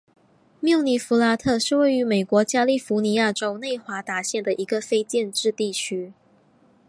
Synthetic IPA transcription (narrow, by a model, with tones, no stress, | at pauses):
mjɑ˥˩ʊni˧˥fu˧˥la˧˥t̪ʰɤ˥˧ʂɻ̩˥˧we˥˩ɪy˧˥me˨˩ɪkwɔ˧˥t͡ɕja˥li˥˩fu˧˥ni˧˥ja˥˧ʈ͡ʂo˥ʊne˥˩ɪxwa˧˥t̪a˧˥ɕjɛ˥˩nd̪ə˩ʔi˧˥ɡə˧fe˥ɪt͡ɕjɛ˥˧nʈ͡ʂɻ̩˥˧t̪i˥˩t͡ɕʰy˥